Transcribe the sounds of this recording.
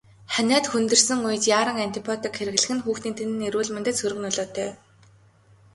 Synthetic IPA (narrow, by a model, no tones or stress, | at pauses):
χænʲæːt̪xunt̪ɵ̆rsɘ̆ŋujɘ̆t͡ɕjaːɾə̆ŋant̪ipʰɔt̪ɪ̆kxeɾɘ̆ɣɮɘ̆xɘ̆nxuːxt̪iːnt̪ʰenɘ̆neɾuːɮment̪ɘ̆t͡ssʰɵɾɵ̆ɣnʊɮɔːt̪ʰœː